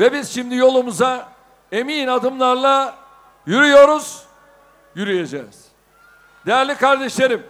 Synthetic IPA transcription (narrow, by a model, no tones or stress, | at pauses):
vɛbizʃimd̪ijo̞lˠumuza | e̞miːnad̪ɯmlˠaɾlˠa | jyɾyjo̞ɾuz̥ | jyɾyjed͡ʒɛ̰ːz̥ | d̪ejæɾlʲikʰaɾd̪ɛʃlʲeɾɯm